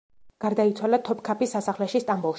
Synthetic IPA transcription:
ɡ̥aɾd̪ait̪sʰwalat̪ʰɔpkʰapisːasaχlɛʃist̪ʼambulˠʃ

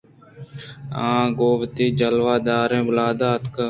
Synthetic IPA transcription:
ãːɡoːʋt̪iːd͡ʒəlʋaːd̪aːɾẽːbʊlaːd̪aːt̪kə

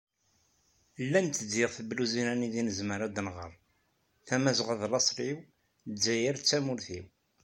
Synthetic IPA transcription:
lːænt̪əd̪ːiʁθəbluzinæniðinəzməɾad̪nʁə̰ɾˤ | θæmæzʁəðlɑsˤɾiw | zːæjəɾt͡sːæmʊɾθiw

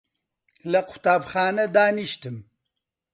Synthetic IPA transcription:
lɐqʊ̥t̪aːbxaːnɐd̪aːniʃt̪ɨm

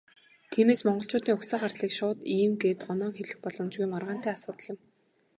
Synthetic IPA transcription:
t̪ʰiːmeːsmɔɴɢɞ̆ɬt͡ɕʊːt̪iːŋʊxsaːɢart̪ɮiːkʃʊːt̪iːmɡeːt̪ɔnɔːŋxeɮɘ̆xpɔɮɞ̆mt͡ɕujmarʁaːn̥t̪æːasʊːt̪ə̆ɮjɪ̆m

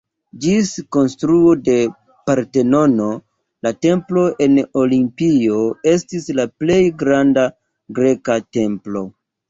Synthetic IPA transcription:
d͡ʒisko̞nstɾuode̞ | paɾte̞no̞no̞ | late̞mplo̞ʔe̞no̞limpio̞e̞stislaple̞jɡɾanda | ɡɾe̞kate̞mplo̞

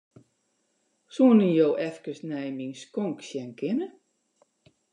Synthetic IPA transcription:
suənənjoːʔɛfkəsnɛjminskɔŋksjɛnkʰɪnə

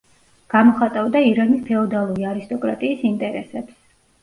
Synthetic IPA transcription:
ɡ̥amɔχat̪ʼavd̪aiɾanispʰɛɔd̪alˠuɾiaɾist̪ʼɔkʼɾa̰t̪ʼiːsint̪ʼɛɾɛsɛps

